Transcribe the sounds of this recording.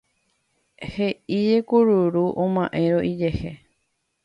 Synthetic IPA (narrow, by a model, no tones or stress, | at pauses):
heid͡ʒe̞kuɾuɾuʔõmãʔẽ̞ɾoʔid͡ʒehe